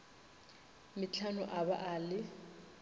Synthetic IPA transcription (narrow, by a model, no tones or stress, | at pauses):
mɪt͡ɬʰanʊʔabaʔalɪ